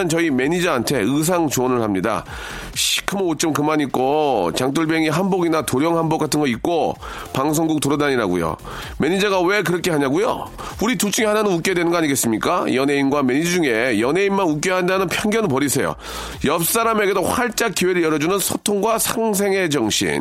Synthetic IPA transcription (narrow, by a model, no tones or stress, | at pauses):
ʌnt͡ɕʌime̞ɲid͡ʑaːntʰe̞ɯs̬ʰaŋt͡ɕoʌnɯɭhamɲida̰ | ɕʰi̥kʰɯmoot͡ɕ͈ʌmkɯmaɲit̚k͈ot͡ɕaŋt͈uɭbeŋiɦanboɡinatoɾjʌŋhanbok͈atʰɯnɡʌit̚k͈o | paŋs̬ʰoŋɡuk̚toɾʌdaɲiɾaɡṵjo̰ | me̞ɲid͡ʑaɡawe̞kɯɾʌkʰe̞ɦaɲaɡujo̰ | uɾitut͡ɕ͈uŋehananɯnuk͈edwe̞nɯnɡʌaɲiɡes͈ɯmɲik͈ajʌne̞inɡwame̞ɲid͡ʑuŋe̞jʌne̞inmanuk̬͈jeɦandanɯnpʰjʌŋɡjʌnɯɭpʌɾisʰe̞jo̰ | jʌp̚s͈aɾame̞ɡe̞dohwaɭt͡ɕ͈akk͈iwe̞ɾɯɭjʌɾʌd͡ʑunɯnsʰotʰoŋɡwasʰaŋs̬ʰe̞ŋe̞d͡ʑʌŋɕʰḭn